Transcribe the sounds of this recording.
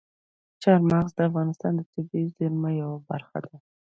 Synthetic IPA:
t͡ʃɑɾmaɣzd̪əafɣɑnɪst̪ɑnd̪ət̪ʊbizɪɾmajawabaɾxa̰d̪a

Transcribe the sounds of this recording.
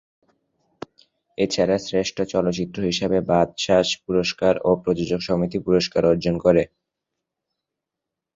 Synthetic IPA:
et͡ɕʰaɾasɾeʃʈʰot͡ɕɔlotːt͡ɕit̪ːɾoɦiʃebebad̪ʃaʃpuɾoʃkaɾopɾod͡ʑod͡ʑoɡʃɔmit̪ipuɾoʃkaɾɔɾd͡ʑonkoɾe

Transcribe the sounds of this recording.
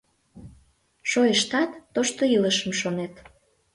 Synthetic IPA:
ʃojəʃt̪ɑt̪ːoʃt̪oiləʃəmʃonet̪

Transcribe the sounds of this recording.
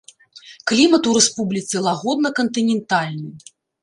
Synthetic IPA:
klʲimɐt̪uɾɛspublʲit̪sɛlˠaɣɔd̪nɐkɐnt̪ɨnʲɛnt̪alʲnɨ

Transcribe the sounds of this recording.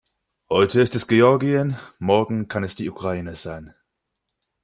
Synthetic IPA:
hɔʏtəɪstɛsɡ̥eɔɐɡiənmɔɐɡŋ̩kʰanɛsd̥iːʔukʁ̥aiːnəz̥aɪn

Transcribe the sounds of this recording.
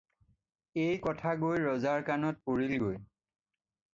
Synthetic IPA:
ejkɔtʰaɡojɹɔzaɹkanɔt̚poɹilɡoj

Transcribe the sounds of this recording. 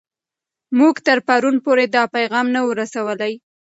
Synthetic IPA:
muɡt̪əɾpaɾunpoɾed̪ɑpajɣɑmnawəɾasawəlaj

